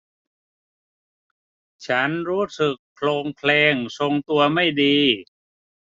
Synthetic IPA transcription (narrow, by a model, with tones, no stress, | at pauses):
t͡ɕʰa˦˥nɾuː˦˥sɯ˨˩k̚pʰloː˧ŋpʰlɛː˧ŋso˧ŋt̪u˧ɐma˥˩jdiː˧